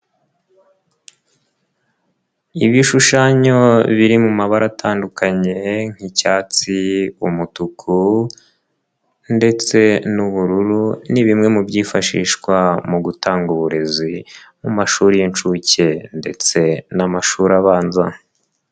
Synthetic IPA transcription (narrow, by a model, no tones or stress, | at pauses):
iβiʃuʃaɲo̞βiɾimumaβaɾatʰaːndukaɲe̞ŋ̥hicaːt͡siumutukʰu | nde̞t͡se̞nuβuɾuɾuniβimŋe̞mubɟiːfaʃḭːʃkwamuɡutaːŋɡuβuɾe̞zi | mumaʃuːɾijint͡ʃuce̞nde̞t͡se̞namaʃuːɾaβaːnza